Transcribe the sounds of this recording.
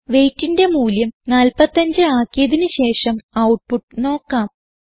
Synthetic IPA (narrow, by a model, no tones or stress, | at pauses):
ʋe̞jtːinde̞muːljɐmnaːlpɐt̪ːɐɲd͡ʑɨaːkːjɐðinɨɕe̞ːʂɐmɐwʈ̚puʈːɨno̞ːkːaːm